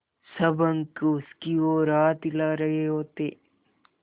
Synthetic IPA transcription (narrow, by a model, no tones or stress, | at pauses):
sɐbəŋkʊskioːɾaːt̪ɪlaːɾɐɦeɦoːt̪eː